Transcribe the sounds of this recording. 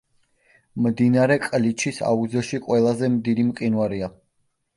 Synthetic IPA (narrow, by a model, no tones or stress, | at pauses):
md̪inaɾɛkʼlit͡ʃʰisa̰uzɔʃiqʼwɛlˠazɛmd̪id̪imqʼinwaɾia